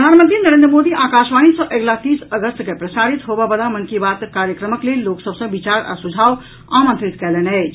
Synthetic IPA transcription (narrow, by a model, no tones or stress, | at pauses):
ɾəd̪ʱanmənt̪ɾinəɾend̪ɾəmod̪iʔakaʃʋañisə̃ʔeɡlat̪isəɡəst̪kepɾəsaɾit̪ɦobɛbəlaməŋkibat̪kaɾjəkɾəməklelːoksəbsə̃bit͡ʃaɾʔa̰sud͡ʒʱaw | ãmə̃nt̪ɾit̪kɛlɛnɛɪt͡ʃʰ